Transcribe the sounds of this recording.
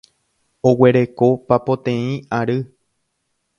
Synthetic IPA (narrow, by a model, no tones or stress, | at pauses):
owe̞ɾe̞kopapõt̪ẽĩaɾɨ